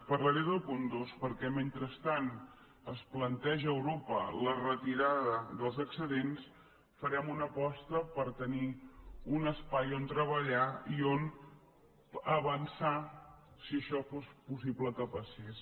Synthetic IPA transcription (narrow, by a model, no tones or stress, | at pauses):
pərləɾeðəlˠpund̪ospəɾkɛment̪ɾəst̪an | əsplənt̪ɛʒːwɾopə̰lərət̪iɾaðəðəlˠzəksəðens | fəɾɛmunəpɔst̪əpəɾt̪əniunəspajont̪ɾəβəʎaion | əβənsa | siəʃɔfospusiβləkəpəses